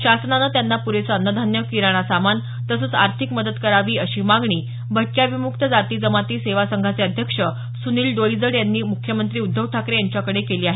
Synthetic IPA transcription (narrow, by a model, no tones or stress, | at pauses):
ɕasnanəːt̪janːapuɾesəənːəd̪ʱanjəkiɾaɽ̃asaman | t̪əsəːt͡sa̰ɾt̪ʰikməd̪ət̪kəɾaʋiːəɕiːmaɡɳiː | bʱəʈ̚kjaʋimukt̪əd͡zat̪iːd͡zəmat̪iːseʋasəŋɡʱat͡seəd̪ʱjəkʂə | suniːlɖ̪oɭid͡zəɽjanːiːmukʰjəmənt̪ɾiːud̪ʱːəʋʈʰakɾejaɲt͡ɕjakəɽekeliːaɦe